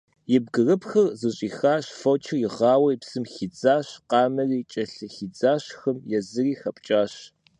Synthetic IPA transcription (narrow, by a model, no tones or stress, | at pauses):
jɪb̚ɡɨrɨpxɐrzɨɕʼiːxaːɕfot͡ʃʰɪjɪʁɑːwɐjpsɨmxid͡zaːɕqɑːmɐriːt͡ʃʼɐɬɨxid͡zaːɕxɐmjɛzɨriːxɐpʼt͡ʃʼaːɕ